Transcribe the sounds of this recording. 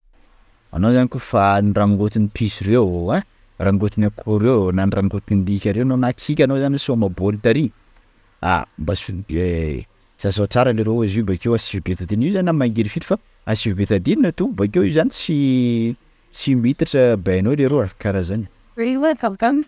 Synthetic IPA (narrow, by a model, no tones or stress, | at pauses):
a̰nozanikofaniraŋɡot̪inipʰisirewa | raŋɡot̪inakʰoɾewnanrʔaŋɡot̪inilikʲaɾewanonakʰikʲanozanisuamabolit̪aɾi | a̰mbasunide | sazat͡saɾaleɾoazibakewasivbet̪ad̪iniwzaninamaŋɡeɾifit̪i̥fa | asivibet̪ad̪ininat̪ubakewiuzanisi | simit̪aʈ͡ʂəbaanoleɾoakaɾazaɲə | ewat̪avt̪am